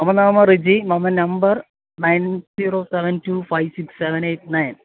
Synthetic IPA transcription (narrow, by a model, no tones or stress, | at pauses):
mɐmɐnaːmɐrid͡ʑimɐmɐnɐmbɐr | najnziːɾoːseʋɐntuːfajʋsiksːeʋɐneːt̚nɐjn